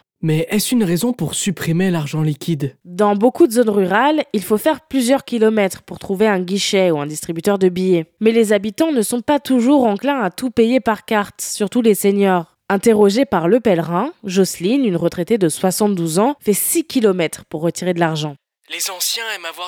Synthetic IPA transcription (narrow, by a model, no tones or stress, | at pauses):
mɛʔɛsynʁezɔ̃puʁsypχimelaʁʒɑ̃likʲʰid̪d̪ɑ̃bokud̪əzonʁyʁalilfofɛʁplyzjœʁkʲilɔmɛt̪χpuʁt̪χuveɛ̃ɡʲiʃɛuɛ̃d̪ist̪χibyt̪œʁd̪əbijɛmɛlezabit̪ɑ̃nəsɔ̃pat̪uʒuʁɑ̃klɛ̃at̪upejepaʁkaʁt̪syʁt̪uleseɲɔʁ | ɛ̃t̪eʁɔʒepaʁləpɛlʁɛ̃ʒɔslinynʁət̪χet̪ed̪əswasɑ̃t̪̚d̪uzɑ̃fɛsikʲʰilɔmɛt̪χpuʁːət̪iʁed̪əlaʁʒɑ̃ | lezɑ̃sjɛ̃avwa